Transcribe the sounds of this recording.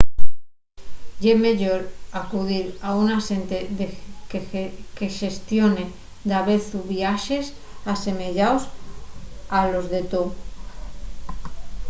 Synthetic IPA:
ʝeme̞ʎoɾakuðiɾaunase̞nt̪eðekke̞ʃe̞st̪jo̞ne | d̪aβe̞θuβjaʃe̞s | ase̞me̞ʎaws | alo̞zðe̞t̪o

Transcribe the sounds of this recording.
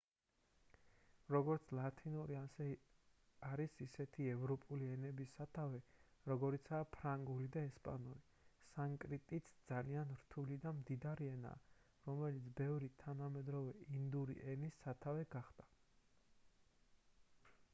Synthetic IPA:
ɾɔɡɔɾt̪sʰlˠat̪ʰinuɾiasɛ | aɾisisɛt̪ʰiɛvɾɔpʼuliɛnɛbisːat̪ʰavɛɾɔɡɔɾit̪sʰaːpʰɾaŋɡulid̪aɛspʼa̰nuɾi | saŋkʼɾit̪ʼit̪sʰd̪z̥alianɾt̪ʰulid̪amd̪id̪aɾiɛna̰ː | ɾɔmɛlit̪sʰbɛvɾit̪ʰanamɛd̪ɾɔvɛind̪uɾḭʔɛnisːat̪ʰavɛɡaχd̪̥a

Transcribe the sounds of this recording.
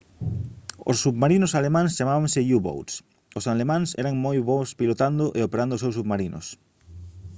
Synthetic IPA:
o̰sːuβmaɾinʊsalemãŋst͡ʃamaβaŋsɪʎuβo̰wt̪s | osalemãŋsɛ̰ɾaŋmojβospilot̪and̪ʊʔeopeɾand̪ʊos̬ewsuβmaɾinʔʊ̰s

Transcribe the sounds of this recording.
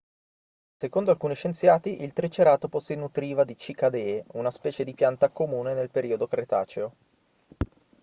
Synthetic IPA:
sekond̪oalkuːniʃent̪sjaːt̪iʔilt̪ɾet͡ʃeɾaːt̪oposinut̪ɾiːvad̪it͡ʃikad̪eunaspɛːt͡ʃed̪ipjant̪akomuːnenelpeɾiːod̪okɾet̪a̰ːt͡ʃeo

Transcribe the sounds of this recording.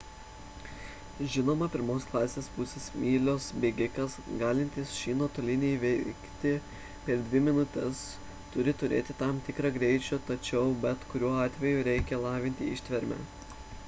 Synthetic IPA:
ʒʲɪnoːmɐpʲɪɾmoːsklˠɑːsʲeːspʊsʲeːsmʲiːlʲoːsbʲeːɡʲɪkɐsɡɑːlʲɪnʲt̪ʲɪsʃʲiːnoːt̪oːlʲɪnʲeːʋʲɛɪkt̪ʲɪ | pʲɛɾd̪ʲʋʲɪmʲɪnʊt̪ʲɛs | t̪ʊɾʲɪt̪ʊɾʲḛːt̪ʲɪt̪ɑmt̪ʲɪkɾɑːɡɾʲɛɪt͡ʃʲut̪ɐt͡ʃʲɛʊbʲɛt̪kʊɾʲuːɔɑːt̪ʲʋʲɛjʊɾʲɛɪkʲɛlˠɑːʋʲɪnʲt̪ʲɪɪʃʲt̪ʲʋʲɛɾʲmʲæ̰

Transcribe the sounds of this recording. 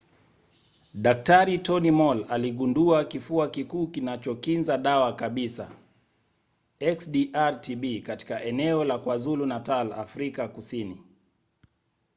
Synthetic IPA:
ɗak̚taɾitɔnimɔlaliɠunduakifuakikuːkinat͡ʃɔkinzaɗawakaɓisa̰ | ɛksɗiʔaɾtiɓikati̥kaʔɛnɛɔlakwazulunatala̰fɾikakusini

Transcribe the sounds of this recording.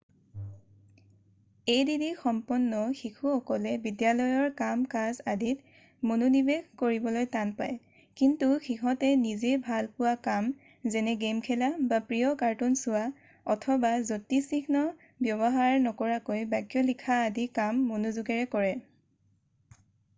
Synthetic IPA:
ejdidixɔmpɔnːɔxikʰuɔkɔlɛbidijalɔjɔɹkamkazadit | monunibeɡkoɹibɔlojtanpaj | kintuxixɔtɛnizebʱalpʊwakam | zɛnɛɡemkʰɛlabapɹijɔkaɹtunsʊwa | ɔtʰɔbazotisiknɔ | bjɔβɔɦaɹnɔkɔɹakojbakjɔlikʰaːdikamːonuzuɡɛɹɛkɔɹɛ

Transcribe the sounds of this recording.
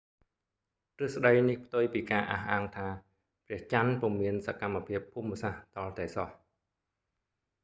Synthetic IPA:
t̪ɨəhsɗəjnihpʰt̪ujpiːkaːʔa̰hʔaːŋt̪ʰaː | prɛ̆əht͡ɕanpŭmːiənsakamːapʰiəpʰːumːəsaht̪ɑlt̪aɛsɑh

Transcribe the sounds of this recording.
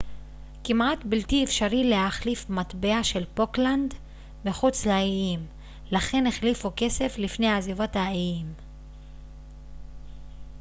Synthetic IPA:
kimʔatbiltiefʃaʁile̞haχlifmat̪beaʃe̞lpo̞kland̪ | meχut͡slaiim | laχe̞neχlifuke̞se̞flifne̞jazivothaiim

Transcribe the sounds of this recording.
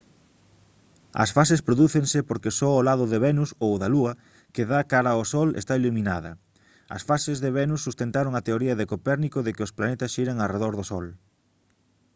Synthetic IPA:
ɐ̰sfasespɾoðuθeŋsɪpoɾkesɔolaðʊðeβɛnusowðɐluɐ | keðakaɾɐosɔlḛst̪ailumĩnaðɐ̰ | ɐ̰sfasɪzðeβɛnusːust̪ent̪aɾoŋɐt̪eoɾiɐðekopɛɾnikoðɪkɪʊsplanet̪ɐsʃiɾɐŋareðɔɾðosɔl

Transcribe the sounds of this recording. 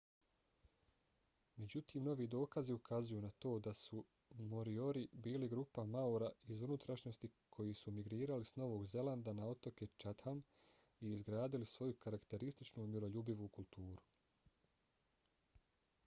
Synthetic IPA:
me̞d͡ʑut̪iːmno̞ʋiːd̪o̞ːkaziukʰazujuːnat̪o̞ːd̪asu | mo̞ɾio̞ɾibiːliɡɾuːpamauɾaizunut̪ɾaʃɲo̞st̪ikʰo̞jisumiɡɾiːɾalisno̞ʋo̞ːɡze̞land̪anao̞t̪o̞ket͡ʃat̪ham | iːzɡɾaːd̪ilisʋo̞jukaɾakt̪e̞ɾist̪it͡ʃnumiɾo̞ʎubiʋukulˠt̪uːɾu

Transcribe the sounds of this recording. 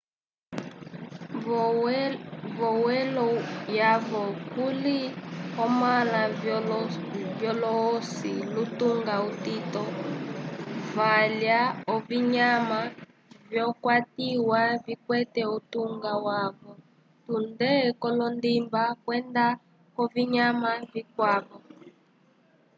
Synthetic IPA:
vɔwɛlɔjavɔkuliɔmala | vjɔlɔːsilutuŋɡautitɔ | valjaɔviɲama | vjɔkwatiwavikwɛtɛutuŋɡawaβɔ | tundɛkɔlɔndimbakwɛnda | kɔviɲamavikwaβɔ

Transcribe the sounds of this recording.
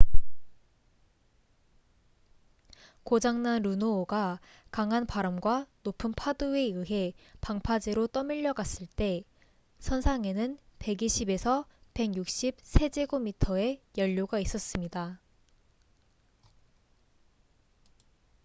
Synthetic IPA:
kod͡ʑaŋnanɾunoːɡa | kaŋɦanpaɾʌmɡwanopʰɯnpʰadɯe̞ɯɦe̞paŋpʰad͡ʑeɾot͈ʌmiʎːʌɡas͈ɯɭt͈e̞ | sʰʌnsʰaŋe̞nɯnpe̞ɡiɕʰibe̞sʰʌpe̞ɡjuk̚ɕ͈ib̚sʰe̞d͡ʑeɡomitʰʌe̞jʌʎːoɡais͈ʌs͈ɯmɲida

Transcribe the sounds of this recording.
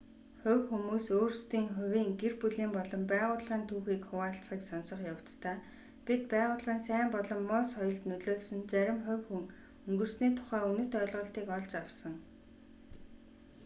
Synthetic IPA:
χʊ̟wxumuːsoːrst̪iːŋχʊ̟wʲiːŋɡerpuɮiːmpɔɮɞ̆mpæːʁʊːɮʁiːnt̪ʰuːxiːkχʊwaːɬt͡sχiːksɔnsɞ̆χjaw̥t͡st̪ʰaː | pʲit̪̚pæːʁʊːɮʁiːnsæːmpɔɮɞ̆mːʊsχɔjɞ̆ɮt̪nɵɮoːɮsɵ̆nt͡sæɾʲɪ̆mχʊ̟wxuŋ | ɵŋɡɵ̆rsniːt̪ʰʊ̥χæːunɵ̥̆t̪œːɮʁɞ̆ːɬt̪iːkɔɮt͡ɕawsə̆ŋ

